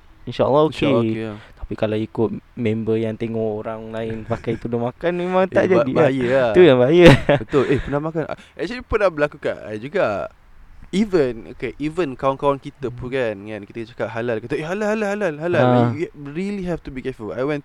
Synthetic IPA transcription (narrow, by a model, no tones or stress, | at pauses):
inʃaə̰lːɔoket̪ḁpikalawikʊt̪̚mẽmbəjaŋt̪eŋɔʔoɾaŋlaɪnpakajt̪udʊmakanmẽmãŋt̪aʔd͡ʒadibaajəat̪ujaŋbaajəbət̪ʊlʔehpənahmakana̰ʔɛk̚t͡ʃalipənabəlakuka̰ʔd͡ʒuɡa | ivəno̰keʔivənkawnkawankit̪əpukanŋankit̪ət͡ʃakaʔ̚ɦalalkat̪aʔeɦalalhalalɦalalɦalajuɹiliɦɛft̪ubikɛfula̰jwɛ̃n